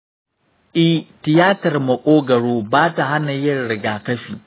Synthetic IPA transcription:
ʔɪ˦htɪ˨jaː˦tɐ˨rmɐ˨kʷʼoː˦ɡɐ˨ɽoː˦baː˦ta˨ɦa˦na˨jɐ˦nɽɪ˨ɡaː˨kɐ˦ɸiː˨

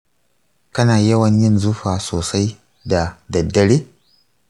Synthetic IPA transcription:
kɐ˦naː˨jɐ˦wɐ˨ɲjɪ˦˨nzu˦ɸaː˨soː˨sa˦j | da˨dɐ˨dːɐ˨ɽeː˦

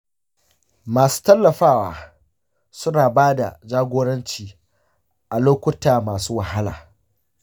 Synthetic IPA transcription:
maː˨su̥ː˦tɐ˦lːɐ˨ɸaː˦waː˦ | sʊ˦naː˨baː˦da̰˨d͡ʒaː˦ɡʷoː˦ɽɐ˦nt͡ʃiː˨ | ʔa˨loː˦kʷʊ˦taː˨maː˨suː˦wa˨ha˦la̰ː˨

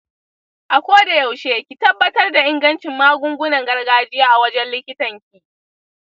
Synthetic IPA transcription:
ʔa˨kʷoː˦da˨jɐ˨wʃeː˦kʲi˨tɐ˦bːɐ˦tɐ˦rda˨ʔɪ˦ŋɡɐ˦nt͡ʃɪ˨mːaː˦ɡʷʊ˦ŋɡʷʊ˦nɐ˨ŋɡɐ˦rɡaː˦d͡ʒɪ˦jaː˦ʔa˨wɐ˦d͡ʒɛ˦nllɪ˦kʲɪ˦tɐ˨ŋkʲiː˦ʔ

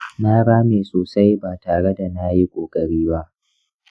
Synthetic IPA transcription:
na˦ɾaː˦meː˨soː˨sa˦jbaː˨taː˨ɽe˦da˨na˦ji˦kʷʼoː˨kʼɐ˨ɽiː˦ba˦ʔ

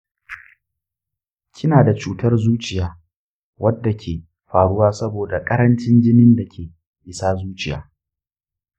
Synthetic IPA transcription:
kʲʰɪ˦naː˨da˨t͡ʃuː˨tɐ˦rzuː˦t͡ʃɪ˨jaː˦ | wʔɐ˦dːa˨kʲʰeː˨ | ɸaː˨ɽʊ˦waː˦sɐ˦boː˨da˨kʼɐ˦ɾɐ˦nt͡ʃɪ˦nd͡ʒɪ˦nɪ˦nda˨kʲʰeː˨ | ʔɪ˨saː˦zuː˦t͡ʃʼɪ˨ja̰ː˨˦

